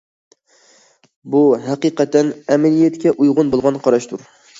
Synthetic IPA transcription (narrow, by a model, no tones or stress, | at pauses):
buɦæqɨqɛt̪ʰːɛnɛmɪlijɛt̪kʲɛʔujʁʊnbolˠʁɑnqʰɑɾɑʃt̪ʰuɾ